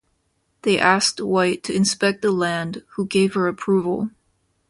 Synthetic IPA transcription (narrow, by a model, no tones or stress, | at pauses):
ðeɪʔæs̚twaɪtʰɨɨ̃nspɛk̚t̪̚ðəlæ̃nd̥huɡeɪv̥ə˞ɨpʰɹ̥uvl̩ˠ